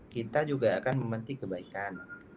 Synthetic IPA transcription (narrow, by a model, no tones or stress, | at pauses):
kit̪ːaːjuːɡaʔakanmamant̪ikʰɯbajkaːn